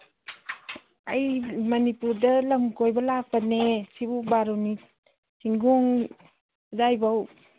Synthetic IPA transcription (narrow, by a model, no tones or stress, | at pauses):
ajmɐnipuɾdɐlɐmkojbɐlak̚panesibubaɾowni | sʰiŋɡɔŋ | dajbaw